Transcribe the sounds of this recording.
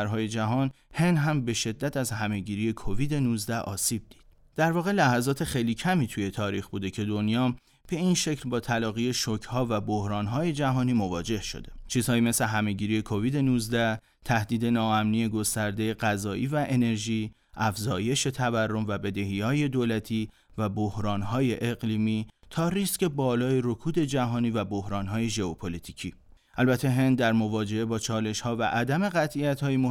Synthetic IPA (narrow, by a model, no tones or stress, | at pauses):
ɾɦɒːje̞d͡ʒæɦɒːn | he̞nɦæmbe̞ʃe̞d̪ːæt̪ʰæzhæme̞ɟiːɾiːje̞kʰoviːd̪e̞nuzd̪æʔɒ̰ːsiːb̚d̪̥i̥ːd̪̥ | d̪̥æɾvɒːɣe̞læhæzɒːt̪ʰe̞χe̞jliːcʰæmiːt̪ʰuje̞t̪ʰɒːɾiːxbuːd̪e̞cʰe̞d̪o̞njɒː | b̥e̞inʃe̞cʰlbɒːt̪ʰælɒːɣije̞ʃocʰhɒːvæbohɾɒːnɦɒːje̞d͡ʒæɦɒːniːmo̞vɒːd͡ʒe̞hʃo̞̰d̪e̥t͡ʃʰiːzhɒːiːmesle̞ɦæme̞ɟiːɾiːje̞kʰo̞viːd̪e̞nuzd̪æ | t̪ʰæhd̪iːd̪e̞nɒːæmniːje̞ɡo̞st̪æɾd̪e̞je̞ɢæzɒːʔiːvæʔe̞ne̞ɾʒiː | ʔæfzɒːje̞ʃe̞t̪ʰæværːo̞mvæbe̞d̪e̞ɦiɒːje̞d̪oːlæt̪ʰiː | væbohɾɒːnɦɒːje̞ʔeɣliːmiːt̪ʰɒːɾisce̞bɒːlɒːjeɾo̞kʰuːd̪e̞d͡ʒæɦɒːniːvæbo̞hɾɒːnɦɒːje̞ʒe̞opʰolit̪ʰicʰiː | ʔælbæt̪ʰːeɦe̞nd̪̚ːæɾmo̞vɒːd͡ʒe̞ʔe̞bɒːt͡ʃʰɒːle̞ʃhɒːvæ̰ʔæd̪æme̞ɣæt̪ʰʔijæt̪ʰhɒːjemo